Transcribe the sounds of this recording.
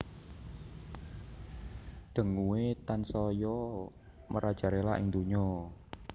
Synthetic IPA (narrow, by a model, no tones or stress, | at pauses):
ɖ̪̥ə̤ŋuwet̪ansɔjɔ | məɾad̥ʒ̥ä̤ɾelaʔɪ̰ŋd̪uɲɔ